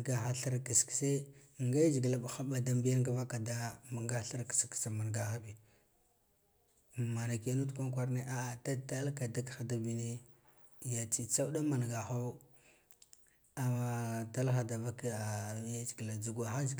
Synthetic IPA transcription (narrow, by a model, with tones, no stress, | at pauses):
ɡa˨xa˨ɬa˦ɾka˨skse˦˨ŋɡa˦d͡ʒi˨ɡla˨ba˨xa˦ba˨da˦mbi˦ja˦nka˦va˦ka˨da˦ma˨ŋɡa˦ɬa˦ɾkḁ˨ski̥˨sa˨ma˨nɡa˨xa˦bi˨ | ma˨na˨ka˦nu˦tkʷa˦ŋkʷa˦ɾne˦ʔa˦˨ta˦ta˦lka˨da˦kxa˨da˦bi˨ne˦ | ja˨t͡si˦t͡sa˦u˦da˦ma˨n˨ɡa˨xa˦ | a˨a˨ta˦lxa˨da˨va˦ka˨ja˦d͡ʒɡla˨d͡zu˨ɡʷa˨xa˦d͡ʒ